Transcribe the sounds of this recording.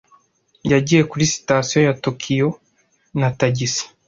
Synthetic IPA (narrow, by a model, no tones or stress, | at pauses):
jaɟijekuɾisi̥tasijojatokʰijo | nataɟisi̥